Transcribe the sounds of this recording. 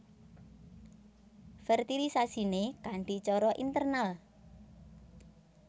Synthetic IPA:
fɛrt̪ilisasinekaɳɖi̤t͡ʃɔɾɔʔint̪ərnal

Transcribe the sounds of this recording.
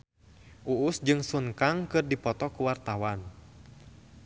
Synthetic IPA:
ʔuʔːsd͡ʒɨŋsuŋkaŋkɨrdipɔt̪ɔkuwart̪awan

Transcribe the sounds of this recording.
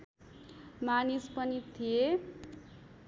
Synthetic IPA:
manispʌnit̪ʰie

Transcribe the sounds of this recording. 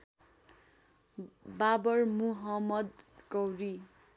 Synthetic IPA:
babʌrmuɦʌmʌd̪̚kʌwri

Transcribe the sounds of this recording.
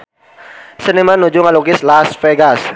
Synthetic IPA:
sənimanud͡ʒʊŋaluɡɪslasfɛɡas

